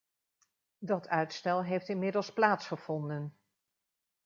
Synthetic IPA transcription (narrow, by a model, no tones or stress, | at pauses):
dɑtʰœɥtstɛlˠɦejftɪnmɪdəlˠsplaːtsχəv̥ɔndən